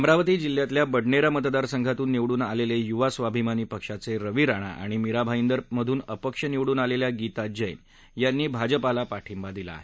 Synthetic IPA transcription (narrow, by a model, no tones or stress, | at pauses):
əmɾaʋət̪iːd͡ʑil̤ːjat̪ljabəɽɳeɾamət̪d̪aɾsəŋɡʱat̪uːnːiʋɽuːnalelejuʋasʋabʱimaniːpəkʂat͡seɾəʋiɾaɽ̃a̰ʔa̰ɽ̃imiɾabʱaind̪əɾməd̪ʱuːnəpəkʂəniʋɽuːnaleljaɡit̪ad͡ʑəjn | janːiːbʱad͡ʑəpalapaʈʰimbad̪ila̰ːɦe